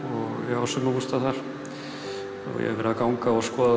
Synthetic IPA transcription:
ɔɣjɛɣawsʏnuvust̪aθaɾ̥ | ɔ̰jɛ̰ɣvɛɾaðkawŋkaɔɣskɔːða

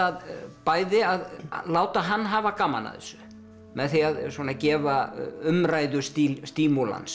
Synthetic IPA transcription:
aðpaːjðɪaðlaːwt̪aɦanːɦaːvakama̰na̰ðɪ̰sʏ̥ | mɛðθiaðswɔːnacɛːvaʏmrajðʏst̪ilst̪iːmula̰ns

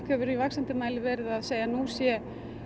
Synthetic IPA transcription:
khœvʏɾivaksant̪ɪmaːjlɪvɛːɾɪðaðseːjanusjɛ

